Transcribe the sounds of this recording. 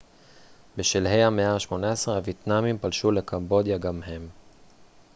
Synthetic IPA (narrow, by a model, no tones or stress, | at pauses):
beʃelɦe̞jameaʃmo̞naesʁeavjet̪namimpalʃule̞kʰambo̞d̪jaɡamɦe̞m